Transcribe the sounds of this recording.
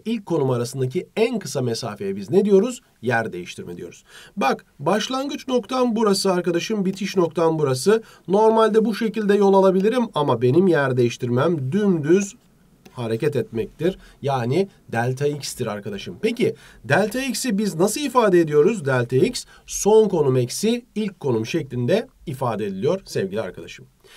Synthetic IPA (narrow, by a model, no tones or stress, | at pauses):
ilʲcʰːo̞numaɾasɯnd̪ac̬ʰiænkɯ̥samesa̰ːfejɛbizned̪ijo̞ɾuz̥ | jæɾd̪e̞̰jḭʃt̪ʰiɾmɛd̪ijo̞̰ɾu̥̰z̥bak | baʃlˠaŋɡɯt͡ʃno̞kt̪ʰanbuɾasɯaɾkad̪aʃɯmbit̪ʰiʃno̞k̚t̪ʰanbuɾasɯ | no̞ɾmalʲd̪ɛbuʃe̞cilʲd̪ɛjo̞lˠalˠabilʲiɾimamabe̞nimjæɾd̪e̞jiʃt̪ʰiɾmæmd̪ynd̪yz | haɾe̞cʰɛt̪ɛt̪mɛc̚t̪ʰiɾ | jaːni | d̪ælʲt̪ʰaicst̪ʰiɾa̰ɾkad̪aʃɯmpeci | d̪ælʲt̪ʰaicsibiznasɯlˠifaːd̪eːd̪ijo̞ɾuzd̪ælʲt̪ʰaics | so̞nko̞numɛcsiilʲc̚ʲkʰːo̞numʃɛclʲind̪ɛ | ifaːd̪ɛd̪ilijo̞ɾ̥sɛvʲɟilʲia̰ɾkʰad̪a̰ʃɯm